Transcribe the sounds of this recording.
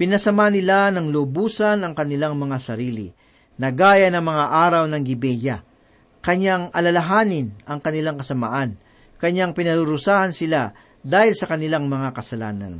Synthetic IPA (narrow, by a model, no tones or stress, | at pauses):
pɪnɐsɐmanɪlanɐŋlobuːsɐnɐŋkɐnɪlaŋmɐŋasɐɾiːlɪ̰ | nɐɡaːjɐnɐŋmɐŋaʔaːɾɐwnɐŋɡɪbɛja | kɐɲaŋʔɐlɐlɐɦaːnɪnɐŋkɐnɪlaŋkɐsɐma̰ʔan | kɐɲaŋpɪnɐɾʊɾʊsaːhɐnsɪla | d̪aːhɪlsɐkɐnɪlaŋmɐŋakɐsɐla̰ːnɐ̰n